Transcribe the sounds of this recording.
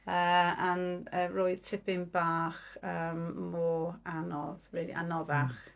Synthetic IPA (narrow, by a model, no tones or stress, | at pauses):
əːanərojtʰɪpɪnbaːχəːmːɔːanɔðɹiːlˠḭʔa̰nɔðaχ